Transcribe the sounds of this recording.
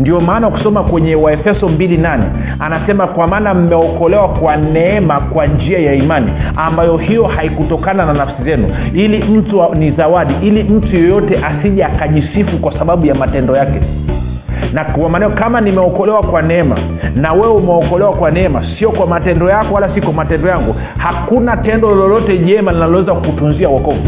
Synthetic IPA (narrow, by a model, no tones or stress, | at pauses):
ndiɔmaːnawku̥sɔmakwɛɲɛwaɛfɛsɔmbilinanɛ̰ | anasɛmakwamaːnam̩mɛɔkɔlɛwakwanɛɛmakwand͡ʒiajaimanḭambajɔhijɔhaikutɔkanananafsizɛnu | ilim̩tunizawaɗiʔilim̩tujɛjɔtɛʔasiʄaakaʄisifukwasaɓaɓujamatɛndɔjakɛ | nawamanakamanimɛɔkɔlɛwakwanɛɛma̰ | nawɛɛumɛɔkɔlɛwakwanɛɛmasijɔkwamatɛndɔjakɔwalasiɔkwamatɛndɔjaŋɡu | hakunatɛndɔlɔlɔtɛʄɛmalinalɔwɛzakutunziawɔkɔvu